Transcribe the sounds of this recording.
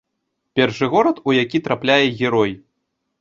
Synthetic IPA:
pʲɛrʂɨɣɔɾɐt̪ujakʲit̪ɾaplʲajɛɣʲɛɾɔj

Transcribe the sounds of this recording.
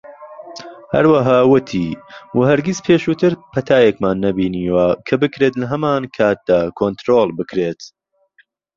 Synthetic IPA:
hɐ̰ɾwɐɦaːwʊt̪ʰiːwɐhɐɾɡizpʰeːʃuːt̪ʰɨɾpʰɐt̪ʰaːjekmaːnːɐbiːniːwakʰɐbɨkɾet̪lɐɦɐmaːnkʰaːt̪̚d̪̥aːkʰont̪ɾoːlˠbɨkɾeːt̪

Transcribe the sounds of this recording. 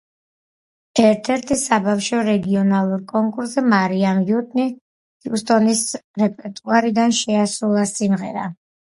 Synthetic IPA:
ɛɾt̪ʰɛɾt̪ʰisabafʃɔɾɛɡiɔnalˠuɾkʼɔŋkʼuɾsɛmaɾiamvut̪ʼni | t̪ʰiust̪ʼɔnisɾɛpʼɛɾt̪ʼuaɾid̪anʃɛasulˠasimʁɛ̰ɾa̰

